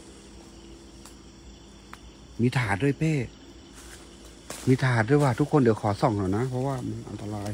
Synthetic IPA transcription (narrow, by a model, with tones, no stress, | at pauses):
miː˧˥t̪ʰaː˨˩˦du˧˩˨jpeː˧˩ | miː˧˥t̪ʰaː˨˧˩du˧˩˨jwaː˧˩t̪ʰu˦˥kʰːo˧˥ndi˨˩˦wkʰɔː˨˩˦sɔ˨˦ŋhʰɔː˨˩wna˧˥pʰɔ˧waː˧˩ma˧˨nʔa̰˧nt̪a˧laː˧˩j